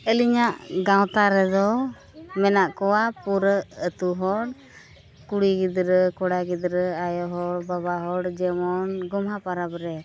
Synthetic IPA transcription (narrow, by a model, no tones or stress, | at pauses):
əliɲaʔɡãwt̪aɾɛd̪ɔ | mɛnaʔkɔwapuɾəət̪uɦɔɽ | kuɽiɡid̪ɾəkɔɽaɡid̪ɾəajɔɦɔɽbabaɦɔɽd͡ʒɛmɔnɡɔmɦapaɾapɾɛ